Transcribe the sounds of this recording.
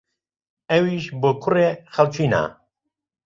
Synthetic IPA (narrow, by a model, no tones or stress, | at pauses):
ɛwiːʃbɨkʰʊrexalt͡ʃʰiːna̰